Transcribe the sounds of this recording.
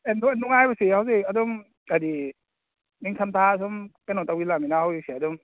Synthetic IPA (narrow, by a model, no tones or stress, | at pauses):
endɔenduŋajbasihawziadɔm | kadi | niŋsʰamtʰas̬ɔmkajnɔtawilaminahawisiadɔm